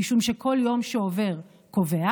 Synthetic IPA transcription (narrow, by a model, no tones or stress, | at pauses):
iʃumʃekʰo̞ljo̞mʃeove̞ʁ | ko̞vea